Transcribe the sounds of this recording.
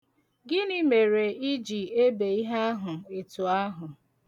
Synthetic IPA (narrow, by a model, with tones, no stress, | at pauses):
ɡɪ˦ni˦me˨ɾe˨i˦d͡ʒi˨e˦be˨i˦ɦa˦a˦ɦʊ˨e˨tu˨a˦ɦʊ˨